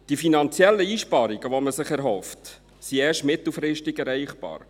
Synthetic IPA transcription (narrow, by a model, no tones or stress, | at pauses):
d̥ifinɑnt͡sjɛlːəiːʃpɑːɾiɡəʋoməsɪχɛɾɦɔft | siɛːʃtmɪt̪l̩ˠfɾɪʃtɪɡɛɾɛɪχb̥ɑ̰ːɾ